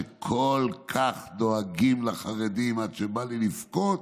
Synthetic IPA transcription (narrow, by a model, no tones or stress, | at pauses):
kʰolkʰaχd̪oaɡimlaχaʁed̪imadʃebalilifkot